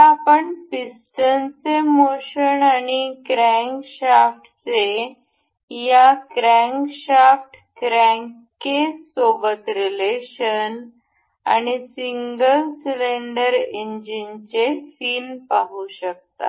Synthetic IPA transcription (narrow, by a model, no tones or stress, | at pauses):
tapəɳfisʈənt͡semoɕənaɽikɾæ̃ŋɡkɕafʈt͡se | jakɾæ̃ŋkɕafʈ | kɾɛ̃ŋ | kesoɡət̪ɾileɕən | a̰ñisiŋɡəlsileɳɖəɾeɲd͡ʑint͡sefiːnpaɦuɕək̚t̪a̰